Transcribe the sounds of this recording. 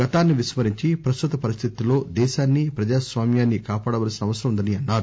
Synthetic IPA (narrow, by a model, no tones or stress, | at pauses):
ɡɐt̪aːnːiʋiʃmɐɾiɲt͡ʃipɾɐst̪ut̪ɐpɐɾist̪ʰit̪ilo̞ːd̪ɛːʃaːnːipɾɐd͡ʒaːsʋaːmjaːnːikaːpaːɽɐʋɐːlsinɐʋɐsɐɾɐmund̪ɐniɐnːaːɾu